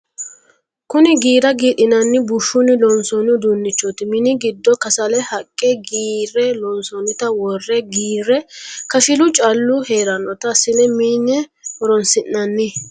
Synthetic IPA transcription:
kʊnɪɡiːɾɐɡiːɗɪnɐnːɪbʊʃːʊnɪlɔnsɔnʊd̪unːɪt͡ʃːɔt̪ɪmɪnɪɡɪd̪ːɔkɐsɐlɛhɐkʼːɛɡiːrːɛlɔnsɔnɪt̪ɐwɔrːɛɡiːɾːɛkɐfɪlʊt͡ʃʼɐlːʊhe̞ːɾɐnːɔt̪ɐsɪlɛmiːnːɛ | ɔɾɔnsɪnːɐnːɪ

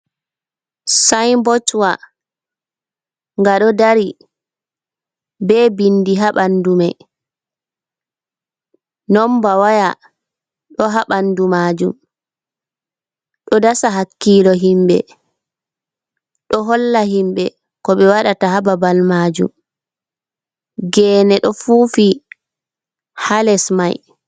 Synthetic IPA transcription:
sajmbɔt͡ʃwa | ŋɡaɗɔdaɾi | bɛːbindiɦaɓandumaj | nɔmbawaja | ɗɔɦaɓandumaːd͡ʒum | ɗɔdasaɦakːiːlɔɦimbɛ̰ | ɗɔɦɔlːaɦimbɛ | kɔɓɛwaɗatahababalmaːd͡ʒṵm | ɡɛːnɛɗɔfufi | halɛsmaj

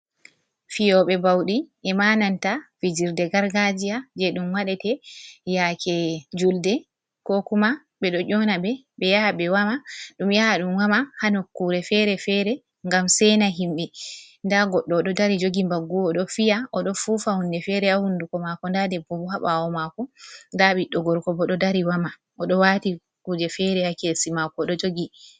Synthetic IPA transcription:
fijɔɓɛbawɗiʔɛmanantafid͡ʒiɾdɛɡaɾɡad͡ʒijad͡ʒɛɗumwaɗɛtɛjakʰɛd͡ʒuldɛ | kɔkuma | ɓɛɗɔʔɔnabɛ | ɓɛjaaɓɛwamaɗumjahaɗumwamahanɔkːuɾɛfɛɾɛfɛɾɛ | ŋɡamsɛnaɦimɓɛ | ndaɡɔɗːɔɗɔdaɾid͡ʒoɡimbaɡːuɔɗɔfijaʔɔɗɔfuːfahundɛfɛɾɛahundukɔmakɔndadɛbɔbuhaɓawɔmakɔndaɓiɗːɔɡɔɾkɔbɔɗɔdaɾiwama | ʔɔɗɔwati | kuːd͡ʒɛfɛɾɛhakesimakɔɗɔd͡ʒoɡi

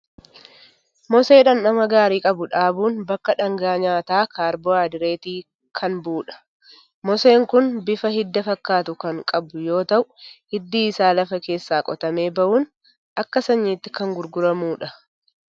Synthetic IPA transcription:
mɔse̞ːᶑɐnːɐmɐɡaːɾiːkʼɐbʊᶑaːbuːnbɐkːɐᶑɐŋɡaːɲaːt̪aːkaːɾboːaːd̪ɪɾe̞ːt̪iː | kʰɐnbuːᶑɐ̥ | mɔse̞ːŋkʊnbɪfɐɦɪd̪ːɐfɐkːaːt̪ʊkɐŋkʼɐbʊjo̞ːt̪ɐʔʊhɪd̪ːiːɪsaːlɐfɐke̞ːsːaːkʼɔt̪ɐme̞ːbɐʔuːn | ʔɐkːɐsɐɲːiːt̪ːɪkɐŋɡʊɾɡʊɾɐmuːᶑɐ

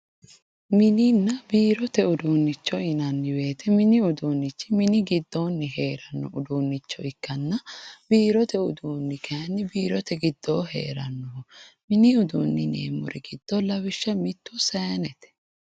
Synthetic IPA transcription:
mɪnɪnːɐbiːɾɔt̪ɛʊd̪uːnːɪt͡ʃːɔɪnɐnːɪwe̞ːt̪ɛmɪnɪʊd̪uːnːɪt͡ʃːɪmɪnɪɡɪd̪ːoːnːɪɦe̞ːɾɐnːɔ̰ʔʊd̪uːnːɪt͡ʃːɔɪkːɐnːɐb̥iːɾɔt̪ɛʊd̪uːnːɪkʰɐjɐnːɪbiːɾɔt̪ɛɡɪd̪̥ːoːɦe̞̰ːɾɐnːɔmɪnɪʊd̪uːnːɪnḛːmɔ̰ɾʔɛɡɪd̪̥ːɔlɐwɪʃːɐmɪt̪ːɔsɐjɐnɛt̪ɛ̥

